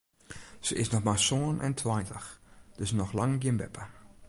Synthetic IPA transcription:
səʔɪsnɔxmasoːənʔɛ̰ntʰwajtəxd̥øsnɔxlɑŋɡiənbɛ̰pə

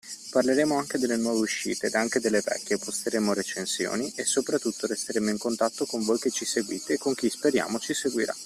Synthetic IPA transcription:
parleɾeːmoaŋk̟ed̪elːenwɔːveuʃːḭːt̪ed̪aŋk̟ed̪elːevɛ̰kʲːjepost̪eɾeːmoɾet͡ʃensjo̰ːniʔesːopɾat̪ːut̪ːoɾest̪eɾeːmoiŋkont̪at̪ːokoɱvoːjket͡ʃiseɡwiːt̪ekːoŋk̟ispeɾja̰ːmot͡ʃiseɡwiɾa̰

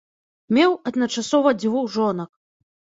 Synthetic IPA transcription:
mʲɛwɐd̪nɐt͡ʂasɔvɐd͡zʲvuwʐɔnɐk̚

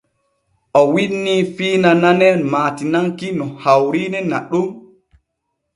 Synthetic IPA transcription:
ʔɔwinːiːfiːnananɛmaːtinaŋkinɔhawɾinɛnaɗum

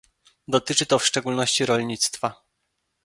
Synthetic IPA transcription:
d̪ɔt̪ɘt͡ʂɘt̪ɔfʂt͡ʂɛɡulnɔɕt͡ɕiɾɔlʲɲit̪st̪fa

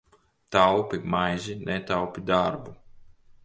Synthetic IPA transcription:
t̪awpʲimajzinɛt̪awpʲid̪aɾbu

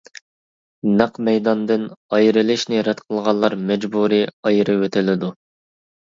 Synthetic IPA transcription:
nɑqmɛjd̪ɑnd̪ɨnɑjɾɪlˠɪʃnɪɾɛt̪qʰəlˠʁɑnlˠːɑɾmɛd͡ʒbuɾiɑjɾɨwøt̪ʰɪlɪd̪u

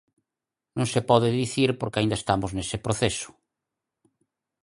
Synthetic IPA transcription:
nõŋsepɔðeðiθiɾpoɾkeaĩnd̪aest̪amoznesepɾoθesʊ̥

